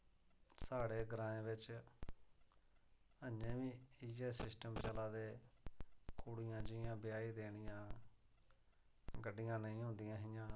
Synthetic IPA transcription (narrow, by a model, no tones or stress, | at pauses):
saːɽeːɡɾãːẽːʋɪt͡ʃ | əɲẽːʋiːiːeːsɪsʈəmt͡ʃəlaːd̪eː | kuɽɪjãːd͡ʒɪjãːbɪjaːiːd̪eːɽɪjãː | ɡəɖːɪjãːnəĩːɦõnd̪ɪjãːɦɪjãː